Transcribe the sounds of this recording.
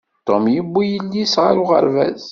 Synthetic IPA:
t̪ːomjəbːijəlːisʁa̰ɾʊʁə̰ɾvæ̰z

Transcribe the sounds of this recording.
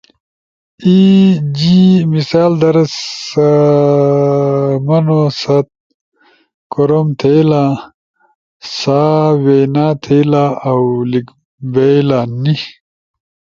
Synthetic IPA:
id͡ʑimisaːld̪ɐɾɐs | mɐnosɐt̪̚ | koɾomt̪ʰejla | saːwenaːt̪ʰejlaawlik | bejlani

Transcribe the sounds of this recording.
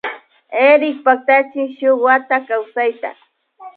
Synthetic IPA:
eɾɪk̚pak̚t̪at͡ʃɪʃʊwat̪akawsajt̪a̰

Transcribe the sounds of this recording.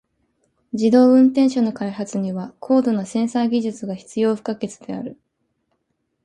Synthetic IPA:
d͡ʑid̪o̞ːɯ̟̃nt̪ẽɰ̃ɕono̞kaiɦat͡sɨɲ̟iβakʰo̞ːd̪o̞no̞sẽ̞ɰ̃saɡʲiʑɨt͡sɨɡaçi̥t͡sɨjo̞ːɸɯ̟̥kake̞t͡sɨd̪e̞a̰ɾɯ̟

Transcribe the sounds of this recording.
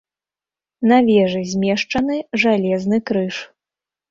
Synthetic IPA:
navʲɛʐɨzʲmʲɛʂt͡ʂɐnɨʐalʲɛznɨkɾɨʂ

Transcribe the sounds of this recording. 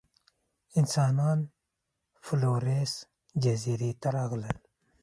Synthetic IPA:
ɪnsɑːnɑːn | floːɾes | d͡ʒaziɾit̪aɾaɣləl

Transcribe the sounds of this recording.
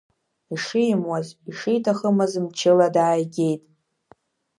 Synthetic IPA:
iʂijmwaziʂijtʰaχəmazɨmt͡ʃʰɪladaːjɡʲe̞jtʼ

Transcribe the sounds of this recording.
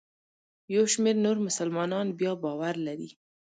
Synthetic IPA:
jawʃmeɾnoɾmʊsəlmɑnɑnbjɑbɑwaɾlaɾḭ

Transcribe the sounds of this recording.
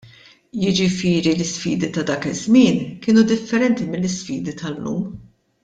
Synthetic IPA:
jɪd͡ʒɪfɪːɾilɪsfḭːd̪it̪ɐd̪ɐːkɪzmɪːnkɪːnud̪ɪfːɛɾɛnt̪imɪlːɪsfiːd̪it̪ʰɐlːṵːm

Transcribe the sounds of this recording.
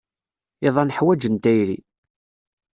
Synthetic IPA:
ɪðˤɑnəħwæd͡ʒənt̪æjɾḭ

